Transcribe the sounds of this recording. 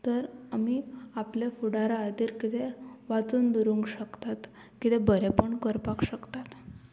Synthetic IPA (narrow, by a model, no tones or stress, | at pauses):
t̪əɾamiːaplefuɽaɾaːd̪iːɾkit̪eʋat͡suːnd̪uɾuŋɡɕəkt̪at̪ | kit̪ɛbəɾepəɳkəɾpakɕəkt̪at̪